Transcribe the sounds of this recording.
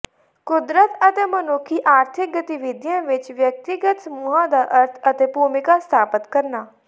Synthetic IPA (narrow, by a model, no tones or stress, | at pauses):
kʊd̪ɾət̪ət̪eːmənoːkʰiːʔaːɾt̪ʰɪk̚ɡət̪ɪʋɪd̪jãːʋɪt͡ʃʋjək̚t̪ɪɡət̪səmuːɦãːd̪aːʔəɾt̪ʰət̪eːpuːmɪkaːst̪ʰaːpət̪kəɾnaː